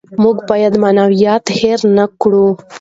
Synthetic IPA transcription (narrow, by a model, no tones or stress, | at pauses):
muɡbɑjad̪manawijɑt̪heɾnakɽu